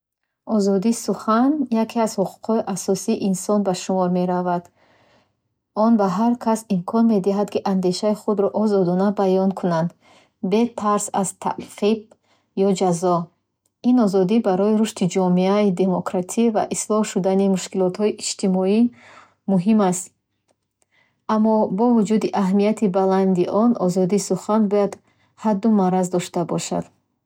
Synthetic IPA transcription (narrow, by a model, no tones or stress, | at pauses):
ɔzɔd̪isuχanjakʰiazhuqʰu̥qʰhɔiʔasɔsiːʔinsɔnbaʃumɔɾmeɾavad̪ | ɔnbaɦaɾkʰasimkʰɔnme̞d̪iɦad̪kiʔand̪e̞ʃaiχud̪ɾɔʔɔzɔd̪ɔnabajɔnkʰunand̪ | bet̪ʰaɾsazt̪ʰa̰ʔqʰib̚ | jɔd͡ʒazɔ | inɔzɔd̪ibaɾɔiɾuʃt̪id͡ʒɔmeaid̪e̞mɔkɾat̪ʰiva̰ʔislɔhʃud̪animuʃkilɔt̪hɔiʔid͡ʒt̪ʰimɔi | muɦimast̪ | amːɔbɔvud͡ʒud̪iʔaɦmijat̪ʰibaland̪iʔɔnɔzɔd̪isuχanbujad̪ | had̪ːumaɾazd̪ɔʃt̪abɔʃa̰d̪̥